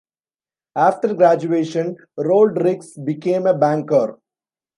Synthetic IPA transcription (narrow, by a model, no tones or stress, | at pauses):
aːfʈəɾɡɾæd͡ʒueːʃə̃n | ɾoːlɖɾɪksbɪkẽːmebæ̃ːŋkəɾ